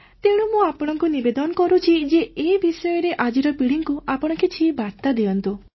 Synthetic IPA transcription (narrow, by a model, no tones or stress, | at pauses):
t̪ewɽ̃umũapɔɽ̃ɔŋkunibed̪ɔnɔkɔɾut͡ʃʰid͡ʒeebisɔjɔɾeʔad͡ʒiɾɔpiɽiŋkuapɔɽ̃ɔkit͡ʃʰibaɾt̪ad̪ejɔnt̪u